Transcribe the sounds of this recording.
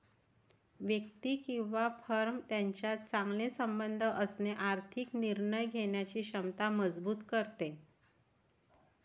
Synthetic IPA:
ʋjəkt̪iːkĩw̃ʋafəɾmt̪jaɲt͡ɕjat͡sãŋɡlesəmbənd̪ʱəʔəsneʔaɾt̪ʰikniɾɳəjɡʱeɳjat͡ɕiːɕəmt̪aməd͡zbuːt̪kəɾt̪e

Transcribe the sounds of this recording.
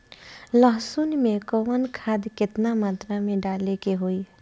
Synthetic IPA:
ləɦsunmekəwənkʰad̪ket̪namat̪ɾameɖalekeɦoi

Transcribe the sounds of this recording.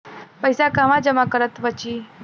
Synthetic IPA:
pəjsakaʋãd͡ʒəmakəɾət̪ʋət͡ʃi

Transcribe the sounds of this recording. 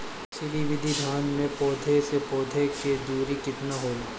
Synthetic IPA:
sɪɾiʋɪd̪ʱid̪ʱaːnmẽpɔːd̪ʱesepɔːd̪ʱeked̪uːɾikɪt̪naɦoːla

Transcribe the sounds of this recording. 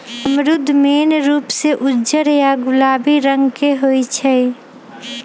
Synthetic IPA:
əmɾʊd̪ʱːmeːnɾuːpseʔʊd͡ʒəɾjaɡʊlaːbiɾə̃ŋɡkeɦoit͡ʃʰɛ

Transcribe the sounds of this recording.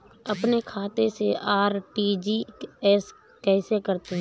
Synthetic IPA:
əpnekʰaːt̪eseaːɾʈiːd͡ʒiːɛːs | kɛːsekəɾt̪eɦɛ̃

